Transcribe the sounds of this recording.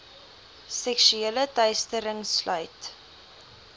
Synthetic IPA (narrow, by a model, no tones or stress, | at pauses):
sɛkʃyelədœɥstəɾəŋslœɥt